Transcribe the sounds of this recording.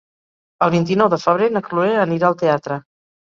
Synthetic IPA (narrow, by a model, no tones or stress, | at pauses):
əlˠβint̪̬inɔwðəfəβ̞ɾenəklueəniɾaəlˠt̪eat̪ɾə